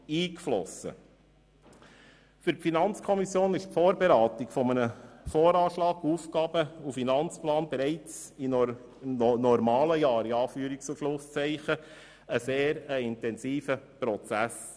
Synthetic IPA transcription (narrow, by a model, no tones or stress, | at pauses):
iːkflɔ̰sə̰ | fʏɾfinɑnt͡skʰɔmisjoːnɪʃpfoːɾbɛɾɑːt̪ikfɔmənəfɔːɾɑːʃlɑːɡuːfkɑːb̥əufinɑnt͡splɑːnbɛɾɛɪt͡si | nɔɾmɑːləjɑːɾiɑːfyːəɾik̚t͡suʃlʊst͡sɛɪχə | əseːɾəɪntɛnsiːfəpɾɔt͡sæs